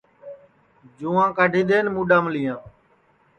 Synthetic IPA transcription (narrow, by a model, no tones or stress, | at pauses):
d͡ʒũːãːkəɖʱĩːɗ̪eːnmũːɗaːmlɪjãː